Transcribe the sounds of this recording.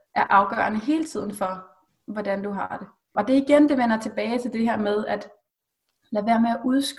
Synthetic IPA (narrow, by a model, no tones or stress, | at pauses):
ʔæɐʔɑ̈ʊɡ̥ɶ̰ɐnəɦe̝ːlət͡sʰið̞̰ˠn̩fɒ̽ | ʋɒd̥ænd̥uɦɑ̈d̥e̝ | ɒ̽d̥e̝iɡ̥end̥e̝ʋenɐt͡sʰe̝b̥ɛːɪt͡sʰe̝ld̥e̝ɦæɐmeð̞ˠæd̥ | læʋæːɐmeæʔuðˠsɡ̥